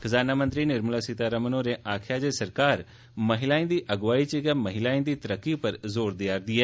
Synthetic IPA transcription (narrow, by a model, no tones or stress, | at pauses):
kʰəzaːnaːmə̃nt̪ɾiːnɪɾməlaːsɪt̪aːɾəmənõːɾeːʔaːkʰjaːd͡ʒesəɾkaːɾ | məɦɪlaːĩːd̪iːʔəɡʋaːit͡ʃiɡaːməɦɪlaːĩːd̪iːt̪əɾəkːipəɾzoːɾd̪ɪjaːɾd̪iːɛː